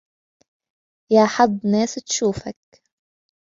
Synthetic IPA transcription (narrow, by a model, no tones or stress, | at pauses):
jaːħɑd̪ˤːnaːst̪ʃuːfak̚